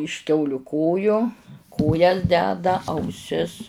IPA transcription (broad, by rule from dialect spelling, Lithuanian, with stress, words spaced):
ɪʃ ˈkʲɛʊlʲʊ ˈkoːjoː ˈkoːjɛs ˈdʲæːdɐ ɐʊˈsʲɪs